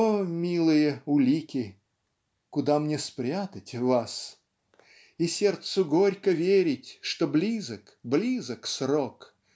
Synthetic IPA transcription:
omʲilˠɨjəʊlʲikʲɪ | kʊd̪amnʲespɾʲat̪ətʲvas | isʲert̪sʊɡo̞ɾʲkəvʲeɾʲɪtʲʂt̪oblʲizək | blʲizəksrok

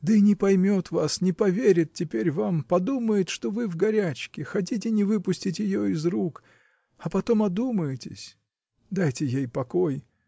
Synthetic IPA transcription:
d̪əinʲɪpɐjmʲo̞t̪vasnʲɪpɐvʲeɾʲɪt̪̚tʲːɪpʲeɾʲvampɐd̪uməjɪt̪ʂt̪o̞vɨvɡɐɾʲæt͡ɕkʲɪxɐt̬ʲit̬ʲɪnʲɪvɨpʊsʲtʲɪtʲjɪjoɪzruk | ɐpɐt̪o̞mɐd̪uməjɪtʲɪ̰sʲ | d̪ajtʲɪjejpɐkoj

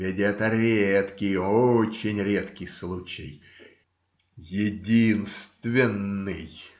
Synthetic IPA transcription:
ɪdʲɛt̪əɾʲet̪kʲɪjot͡ɕɪnʲɾʲet̪kʲɪjslˠut͡ɕɪ̰j | jɪdʲinst̪vʲɪnːɨj

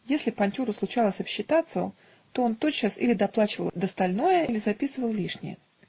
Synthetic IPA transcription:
jesʲlʲɪpɐnʲtʲuɾəslˠʊt͡ɕalˠəsʲɐpɕːɪt̪at̪sɨjʊ | t̪oont̪ot͡ɕːasḭlʲɪd̪ɐplˠat͡ɕɪvəlˠd̪əst̪ɐlʲno̞jəilʲɪzɐpʲisɨvəlˠlʲiʂnʲɪ̰jə̰

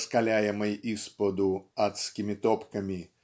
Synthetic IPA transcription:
skalʲajɛmɐjispɐd̪ʊat̪skʲimʲit̪ɔpkɐmʲi

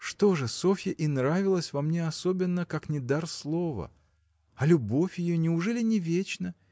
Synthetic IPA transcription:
ʂt̪o̞ʐɨso̞fʲəʔinɾavʲɪlˠəsʲvɐmnʲeɐso̞bʲɪnːəkaknʲɪd̪arslˠo̞və̰ | ɐlʲʊbo̞fʲjɪjonʲɪʊʐɛlʲɪnʲɪvʲet͡ɕnə

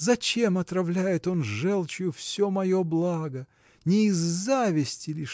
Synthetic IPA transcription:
zɐt͡ɕe̞mɐt̪ɾɐvlʲæjɪt̪o̞nʐɛlˠt͡ɕɪjʊfsʲomɐjo̞blˠaɡə | nʲɪːzːavʲɪsʲtʲɪlʲiʂ

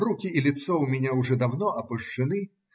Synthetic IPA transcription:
rukʲiilʲit̪sɔwmʲɛnʲauʐɛd̪awnɔʔɐpɨʂt͡ʂɨnɨ

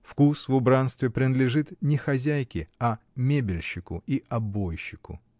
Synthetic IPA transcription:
fkusvʊbɾanst̪vʲɪpɾʲɪnəd̪lʲɪʐɨt̪nʲɪxɐzʲæjkʲɪɐmʲebʲɪlʲɕːɪkʊiʔɐbojɕːɪkʊ̰

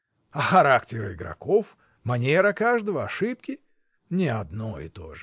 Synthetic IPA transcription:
ɐxɐɾaktʲɪɾɪɡɾɐ̰kof | mɐnʲeɾəkaʐd̪əvəɐʂɨp̚kʲɪ | nʲɪɐd̪nojɪ̰t̪o̰ʐɨ

